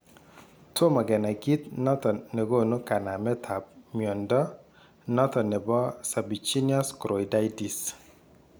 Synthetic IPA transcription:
tʰo˦ma˨ɡɛ˨na˨ɡi˦t̪nɔ˦t̪ɔ˨ne˨ɡo˦no˦ka˨na˨mɛ˦tʰa˨p̚mjɔ˨ndɔ˦ | nɔ˦t̪ɔ˨nɛ˨bɔ˦sa˨bi˨t͡ʃi˦niɔ˦skɾo˨i˨da˦jdi˨s

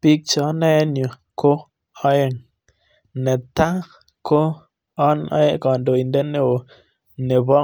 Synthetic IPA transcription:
pi˦k̚t͡ʃɔ˨˦na˦e˦nu˨ | ko˦ | ɔ˦je˦˨ŋ | ne˨t̪a˦ | ko˦ | ɔ˦nɔ̰˦je˦kɔ˨ndo˨i˨nde˦ne˦wo˨ | ne˨bɔ˦

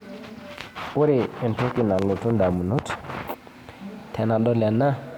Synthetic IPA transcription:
u˦ɾi˨e˨nto˦ki˨na˨lo˨tu˦nda˨mu˨nu˦t | tʰɛ˨na˨ɗɔ˦la˨nːa˦

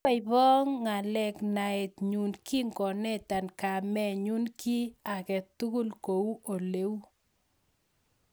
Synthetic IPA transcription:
a˦ɪβɔ˦ŋːa˨lɛ˨kna˨ɛ˨tɲu˨nki˦ŋɡɔ˨nɛ˦ta˨nka˨mɛ˦˨ɲu˦nki˦a˨kɛ˨t̪u˦ɡu˦lko˨u˦ʔo˨le˦

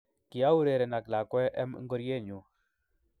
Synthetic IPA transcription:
ki˨ja˦u˦ɾe˨ɾɛ˨na˨kla˨kwɛ˦ʔɛ˦m̰˦ŋ˦ɡɔ˦ɾje˦˨ɲu˨

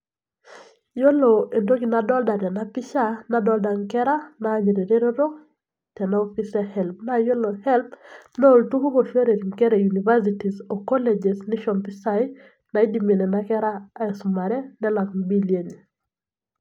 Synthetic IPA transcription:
jo˦lo˨e˨ndo˦ɡi˨nadɔ˦lda˨ɾa˨na˦pɪ˦ʃa˦na˦dɔ˦lda˨ŋkɛ˦ɾa˦naː˦ɲe˨ɾe˨ɾe˦ɾo˦ɾo˦ | tɛ˨nao˦fi˦sɛhɛ˨lp̚na˦jo˦lo˨hɛ˦lpnɛ˦o˨ltu˦ɡo˦ko˨ʃe˦ɾe˨ɾi˨ŋkɛ˦ɾɛ˨ju˨ni˨va˦siti˨sɔ˨kɔ˦lɛ˨d͡ʒɛ˨snɪ˦ʃɔ˨mpi˦sa˨ɪ | na˨i˦di˨me˨nɛ˨na˦kɛ˦ɾaː˦ɛ˨su˨ma˨ɾɛ˦nɛ˦la˨kmbi˦lje˨ɲe

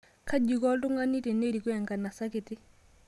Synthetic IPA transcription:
ka˦ɟi˨kɔ˦ltu˦ŋa˦nːi˦ti˨ne˦ɾi˨kwɛ˨ŋka˨nːa˨sakiti˦

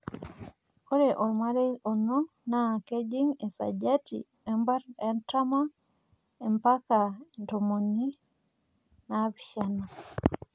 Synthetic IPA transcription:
o˦ɾe˨ʔo˨ma˦ɾe˦o˨nɔ˦ | na˨ke˦d͡ʒi˦ŋe˨sa̰˨d͡ʒa˦tḭ | ɛ˦mba˦ɾɛ˨nta˦ma˦ | ɛ˨mpa˦ka˨nto˨mo˨ni˦ | na˦biʃa˦na˨

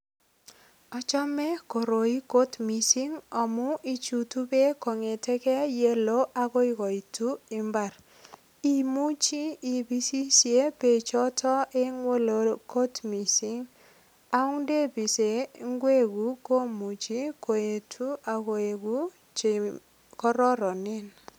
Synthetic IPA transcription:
ɔ˨t͡ʃɔ˦mɛ˦ko˨ɾo˨i˦ko˦tmi˨si˦ŋɔ˨mʊ˦i˦t͡ʃu˨tu˦be˦kɔ˨ŋe˨tɛ˦kɛ˦je˦lo˦ʔa˦ko˦i˦kɔ˨i˨tu˦i˨mba˨ɾ | i˦mu˦t͡ʃi˦i˨bi˦si˦sje˦pe˨t͡ʃɔ˦tʰɔ˦e˦ŋwo˦lo˨ko˦tmi˨si˦ŋ | a˦ʊ˦ŋde˦pi˨se˨ŋ˦ɡwe˦ku˦ko˦mu˨t͡ʃi˦ko˨e˨tʰu˦a˨ko˨e˨ku˦ | t͡ʃe˨ | kɔ˦ɾɔ˦ɾɔ˨nɪ˦n

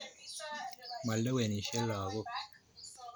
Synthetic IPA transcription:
mɐ˨lːɐ˦we˨ni˨ʃe˦lːaː˨ɡo˦

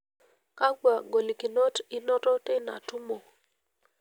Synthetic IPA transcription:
ka˦ɡwa˨ɡo˨li˨kɪ˨no˦tɪ˦nɔ˦tɔ˦te˦na̰˨tʊ˦mo˨

